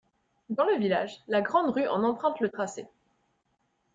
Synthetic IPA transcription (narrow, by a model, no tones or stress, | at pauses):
d̪ɑ̃ləvilaʒlaɡʁɑ̃d̪ʁyʔɑ̰̃nɑ̃pχɛ̃t̪lət̪χasḛ